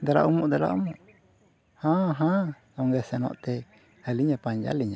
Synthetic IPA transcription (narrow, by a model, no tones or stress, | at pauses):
d̪aɾa̰ʔumuʔd̪ɛɾa̰ʔumuʔ | hãɦã | nɔŋɡɛsɛnɔ̰ʔt̪ɛ | haliɲapaɲd͡ʒa̰liɲa